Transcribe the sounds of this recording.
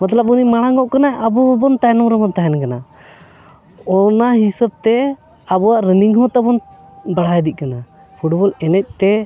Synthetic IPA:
mat̪ləb̚unimaɽ̃aŋɡɔʔkanaʔabubɔnt̪aɦɛnɔmɾɛbɔnt̪aɦɛnkana | ɔnaɦisab̚t̪ɛ | abuaʔɾəniŋɦɔ̃t̪abɔn | baɽ̤ajɛd̪ic̪̚ˀkana | pʰuʈbɔlɛnɛc̚ˀt̪ɛ

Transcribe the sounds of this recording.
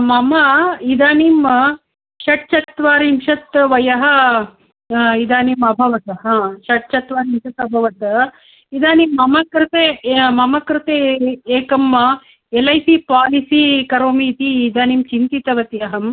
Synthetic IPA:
mɐmɐid̪aːniːm | ʃɐʈ̚t͡ʃɐt̪ʋaːɾimʃɐt̪ʋɐjɐɦɐ̆ | id̪aːniːmɐbʱɐʋɐt̪ɐɦãːʃɐʈ̚t͡ʃɐt̪ʋaːɾiːmʃɐt̪ɐbʱɐʋɐt̪ | id̪aːniːmːɐmɐkɾɪt̪eːmɐmɐkɾɪt̪eeːkɐm | elɐjsiːpaːlisiːkɐɾoːmiːt̪iːd̪aːnimt͡ʃint̪it̪ɐʋɐt̪ijɐɦɐm

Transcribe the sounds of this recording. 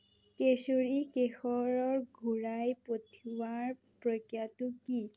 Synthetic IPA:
kesoɹikexɔɹɔɹɡʱuɹajpotʰiwaɹ | pɹokjatʊki

